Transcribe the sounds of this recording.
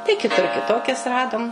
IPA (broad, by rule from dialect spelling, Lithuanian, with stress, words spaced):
tɐɪ kʲɪˈtʊr kʲɪˈtoːkʲɛs ˈrɑːdʊm